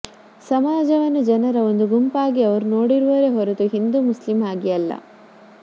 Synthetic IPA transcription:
sɐmaːd͡ʒɐʋɐnːud͡ʒɐnɐɾɐond̪uɡumpaːɡiɐʋɐɾuno̞ːɽiɾuʋɐɾeɦɔɾet̪uɦind̪umuslimaːɡijɐlːɐ̰

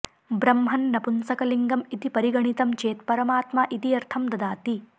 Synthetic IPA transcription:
bɾɐmɦɐnːɐpunsɐkɐliŋɡɐmit̪ipɐɾiɡɐɳit̪ɐmt͡ʃeːt̪pɐɾɐmaːt̪maʔit̪iɐɾt̪ʰɐmd̪ɐd̪aːt̪i

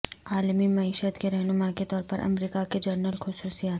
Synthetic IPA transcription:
aːlmimɐiːʃət̪keɾɛɦnʊmaket̪ɔːɾpɐɾʔɐ̰mɾiːkaked͡ʒɐɾnəlxʊsuːsijaːt̪

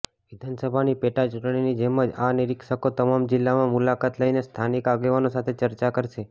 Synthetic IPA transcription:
ʋid̪ʱansəbʱanipeʈat͡ʃuʈɳinid͡ʒɛməd͡ʒaniɾikʃəkot̪əmamd͡ʒɪlːamãmulakat̪ləinest̪ʰanikaɡeʋanosat̪ʰet͡ʃəɾt͡ʃakəɾʃe

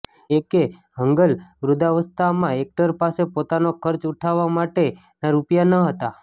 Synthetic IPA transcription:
ekeɦəŋɡəlʋɾud̪aʋəst̪ʰamãek̚ʈəɾpasepot̪anokʰəɾt͡ʃuʈʰaʋamaʈe | naɾupjanəɦət̪a

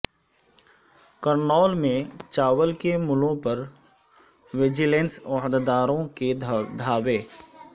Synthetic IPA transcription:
kəɾnɔːlmẽt͡ʃaːʋəlkemʊlõpɐɾ | ʋɪd͡ʒɪlẽːnsɐɦd̪d̪aːɾõked̪ʱaːʋeː

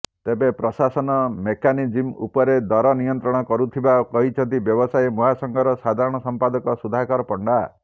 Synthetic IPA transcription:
t̪ebepɾɔsasɔnɔmekanid͡ʒimṵpɔɾed̪ɔɾɔnijɔnt̪ɾɔɽ̃ɔkɔɾut̪ʰibakɔɦit͡ʃʰɔnt̪ibjɔbɔsajemuɦasɔŋɡʱɔɾɔsad̪ʱaɾɔɽ̃ɔsɔmpad̪ɔkɔsud̪ʱakɔɾɔpɔɳɖa

